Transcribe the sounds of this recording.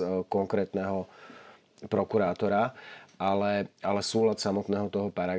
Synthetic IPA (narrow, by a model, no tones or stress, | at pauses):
kɔŋkɾɛːt̪nɛɦɔ | pɾɔkuɾaːt̪ɔɾaalɛalɛsuːlat̪samɔt̪nɛːɦɔt̪ɔɦɔpaɾa